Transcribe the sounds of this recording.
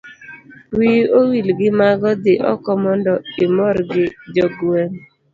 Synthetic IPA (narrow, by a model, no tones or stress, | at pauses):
wiowilɡɪmaɡɔd̪ɪʔɔ̰kɔmɔndɔɪmɔɾɡɪd͡ʒɔɡwɛn